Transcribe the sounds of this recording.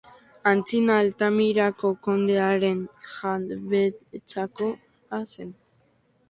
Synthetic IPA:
ant͡sinalt̪amiɾako̞ko̞nd̪eaɾe̞nxaβet͡sako̞ | asen

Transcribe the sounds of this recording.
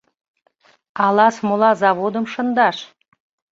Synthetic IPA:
ɑlˠɑsmolˠɑzɑβod̪əmʃə̆nd̪ɑʃ

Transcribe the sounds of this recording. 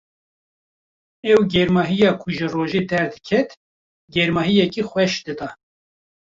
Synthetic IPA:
ɛwɡɛɾmɑːɦijɑːkʰʊʒɨroːʒed̪ɛɾd̪ɨ̥kʰɛt̪ | ɡɛɾmɑːɦijɛkiːxʷwɛʃd̪ɨd̪ɑː

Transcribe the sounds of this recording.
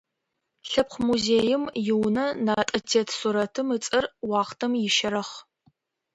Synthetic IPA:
ɬɐp̚χʷmuzeːjɪmjɪwnɐnaːtʼɐtʰeːtʰsuɾɐtʰɨmɨt͡sʼɐrwɑːχtʰɐmjɪʃɐɾɐχ

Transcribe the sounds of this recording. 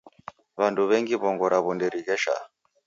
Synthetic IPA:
βanduβɛŋɡiβɔŋɡɔɾaβundɛɾiɣɛʃa̰

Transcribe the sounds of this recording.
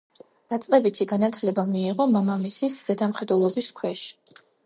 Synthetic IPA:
d̪̥at̪sʼqʼɛbit̪ʰiɡanat̪ʰlɛbamiːʁɔmamamisisz̥ɛd̪amχɛd̪wɛlˠɔbiskʰwɛʃi̥

